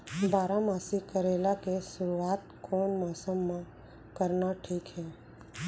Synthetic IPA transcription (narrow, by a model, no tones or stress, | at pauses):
baːɾamaːsikəɾelakeʃʊɾuaːt̪kʰoɳmɔːsəmːã | kəɾnaʈʰiːkɦɛ